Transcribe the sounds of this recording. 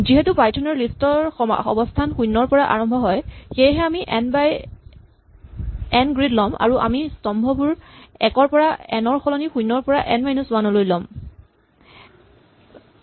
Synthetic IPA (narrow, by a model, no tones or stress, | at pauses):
ziɦɛtupajtʰɔnɔɹlistɔɹ̰ɔ̰bɔstʰanxujnːɔɹpɔɹaʔa̰ɹɔmbʱɔɦɔjxejɦɛamiʔnbaj | ɛnɡɹidlɔmʔa̰ɹuʔa̰mistɔmbʱɔbuɹɛkɔɹpɔɹaɛnɔɹxɔlɔnixujnːɔɹpɔɹaʔɛnmajnuswanɔlojlɔm